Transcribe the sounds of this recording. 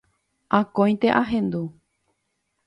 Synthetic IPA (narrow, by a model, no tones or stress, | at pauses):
ʔãkõj̃t̪e̞ʔaɦẽ̞nd̪u